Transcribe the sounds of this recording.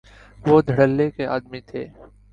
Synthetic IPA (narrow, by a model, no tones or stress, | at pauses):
ʋoːd̪ʱəɽəlːekeaːd̪mit̪ʰeː